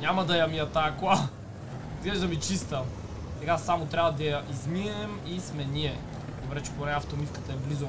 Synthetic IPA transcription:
ɲʲamɐd̪ɐjɐmiɐt̪ajɐkalˠ | izɡlɛʒd̪ɐmit͡ʃist̪ə | sɛɡasamot̪ɾʲabɐd̪ɐjɐʔizmiɛm | ismɛnʲiɛ | d̪obɾɛt͡ʃɛ̥ponɛɐft̪omifkə̥t̪əɛblizo

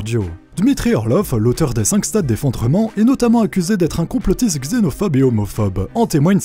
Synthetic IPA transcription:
d̪jod̪̥mit̪χiɔʁlɔflot̪œʁd̪esɛ̃kst̪at̪̚d̪efɔ̃d̪ʁəmɑ̃ʔɛnɔt̪amɑ̃akʲyzed̪ɛt̪χɛ̃kɔ̃plɔt̪isɡzenɔfɔbeɔmɔfɔbɑ̃t̪emwaɲ

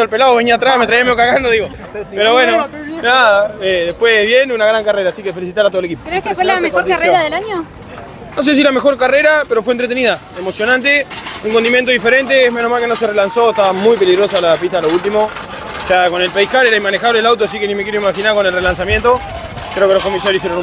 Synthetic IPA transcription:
olpelaðoβeniat̪ɾasmet̪ɾajiameokaɣand̪oðiɣo | peɾoβwenonaeðehpweβjenunaɣɾaŋkareɾaːsikefe̞lis̬it̪aɾat̪oeleki̥pokɾeeskefwelamexkoɾkareɾaðelaɲo | nos̬es̬ilame̞xo̞ɾkareɾapeɾo̞fwent̪ɾet̪eniða | emo̞sjonãnt̪euŋkond̪imjent̪oðifeɾe̞nt̪̬eemenoɦmalkeno̞serelanso̞eht̪aβamujpeliɣɾo̞salapiht̪aloult̪imo̞ | ʃako̞ne̞lpajkaleɾaimanexaβleelawt̪oasikenimekeɾjoimaxinako̞nelrelans̬amjent̪o̞ | kɾeokelokomis̬aɾjois̬jeɾonu

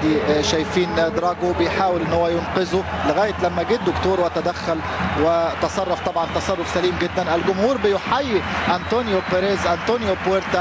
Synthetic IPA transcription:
d̪iʃæjfiːnd̪ɾˤɑːɡobɪjħaːwɪlʔɪnːhowːæjʊnqɪzʊlɪɣæːjɪt̪læmːæɡiːd̪d̪ʊkt̪oːɾwæt̪æd̪æxːʊl | wɪt̪ɑsˤɑrˤːɑft̪ˤɑbʕɑnt̪ɑsɑrˤːʊfsæliːmɡɪd̪ːænʔɪlɡʊmhuːɾbɪjʊħajːiʔænt̪oːnjobeɾeːzʔænt̪oːnjopweɾt̪a

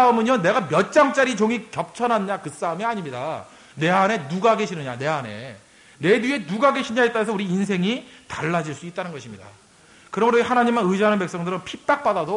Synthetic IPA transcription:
aɯmɯɲʌne̞ɡamjʌt̚t͡ɕ͈aŋt͡ɕ͈aɾit͡ɕoŋikjʌp̚t͡ɕʰʌnɦanɲakɯs͈aɯmiaɲimɲida | ne̞ane̞nuɡaɡe̞ɕʰinɯɲane̞ane̞̰ | ne̞die̞nuɡaɡe̞ɕʰiɲait͈aɾesʰʌuɾiːnsʰe̞ŋitaɭːad͡ʑiɭs͈uit̚t͈anɯnɡʌɕʰimɲida̰ | kɯɾʌmɯɾohanaɲimːanɯd͡ʑiɦanɯnpe̞k̚s͈ʌŋdɯɾɯnpʰip͈ak̚p͈adado

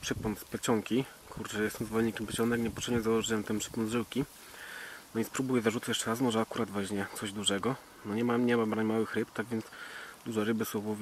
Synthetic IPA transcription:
pʂɘpɔnt̪spʲɛt͡ɕɔŋkʲi | kʰuɾt͡ʂɛjɛst̪ɔw̃zvɔlɛɲikʲɛmpʲɛt͡ɕɔnɛkɲɛpɔt̪ʂɛbɲɛzawɔʐɘwɛmt̪ɛmpʂɘ̥pɔnd̪ʐɘwkʲi | nɔispɾubujɛzaʐut̪jɛt͡ʂɛɾasmɔʐɛakuɾʔad̪vaɕɲɛt̪sɔʑd̪uʐɛɡɔ | nɔɲɛmamɲɛmabɾaɲmawɘxɾɘpt̪aɡvʲjɛnd̪sd̪uʐɛɾɘbɘsɔ̃wuvʲ

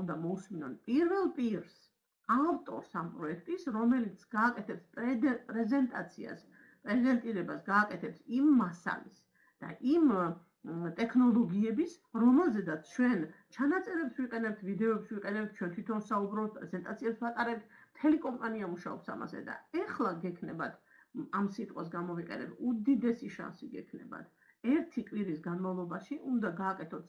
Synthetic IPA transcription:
und̪amɔusminɔnpʼiɾvɛlˠpʼiɾs | avt̪ʼɔ̰ɾsampʼɾɔɛkʰt̪ʼisɾɔmɛlit̪sʰɡ̥aːkʼɛt̪ʰɛpsp̪ʼpʼɾɛzɛnt̪ʼat̪sʰia̰s | pʼɾɛzɛnt̪ʼiɾɛbasɡaːkʼɛt̪ʰɛpsimːasa̰lḭs | d̪̥a̰ʔim | t̪ʼɛkʰnɔlˠɔɡiɛbis | ɾɔmɛlˠzɛd̪at̪sʰt͡ʃʰwɛnt͡ʃʰanat̪sʼɛɾɛpsviqʼɛnɛp̚t̪ʰvid̪ɛɔpswiqʼɛnɛp̚t̪̚ʰt͡ʃʰwɛnt̪ʰwit̪ʰɔnsaubɾɔpt̪̚ʰpʼɾɛzɛnt̪ʼat̪sʰiɛpsvat̪ʼaɾɛp̚t̪ʰmt̪ʰɛlikʼɔmpʼaniamuʃaɔ̰psa̰ma̰zɛ̰d̪a̰ɛχlˠaɡɛkʰnɛbat̪ | amsit̪ʼqʼwasɡamɔviqʼɛ̰nɛ̰p̪ʰud̪id̪ɛsiʃa̰nsiɡɛ̰kʰnɛ̰ba̰t̪ʰ | ɛɾt̪ʰikʼwiɾisɡanmavlˠɔbaʃiʔund̪aɡaːkʼɛt̪ʰɔt̪s

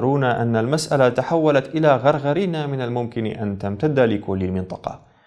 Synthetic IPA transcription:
ɾˤuːnaʔanːalmasʔalat̪aħawːalat̪ʔɪlaːɣɑɾˤɣaɾiːnamɪnalmʊmkɪnʔant̪amt̪ad̪ːalɪkʊlːɪlmɪnt̪ˤɑ̥qɑ̰

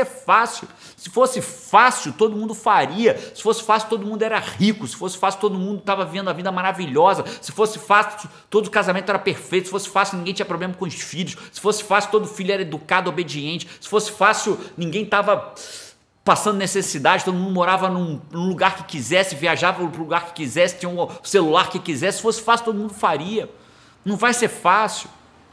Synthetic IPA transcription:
ɛfasiʊ | sɪfosɪfasiʊt̪od̪ʊmũd̪ʊfaɾiɐsɪ̥fosɪ̥fasiuʊ̥t̪od̪ʊmũnd̪ʊɛɾɐʁikʊsɪ̥fosɪ̥fasiuʊt̪od̪ʊmũd̪ʊt̪avɐvivẽnd̪ɐvĩd̪ɐmaɾaviʎɔzɐsɪfosɪfasʊ | t̪od̪ʊkazamẽnt̪ʊɛɾɐpeɾfejt̪ʊsɪfosɪ̥fasiunĩŋɡẽt͡ʃĩɐpɾoblẽmɐkõʊʃfiʎʊʃsɪ̥fosɪ̥fasiut̪od̪ʊfiʎʊɛɾɐed̪ukad̪ɪobed͡ʒiẽnt͡ʃɪ̥sɪ̥fosɪ̥fasjʊnĩɡẽj̃t̪avɐ | pasɐ̃nd̪ʊnesesid̪ad͡ʒɪt̪od̪ʊmũd̪ʊmoɾavɐnũnʊ̃luɡaɾkɪ̥kizɛsɪviaʒavɐʊpɾʊluɡaɾkɪ̥kizɛsɪ̥t͡ʃĩɲɐʊselulaɾkɪkizɛssɪ̥fosɪ̥fasiuʊt̪od̪ʊumũd̪ʊfaɾiɐ | nɐ̃w̃vajseɾfasʊ

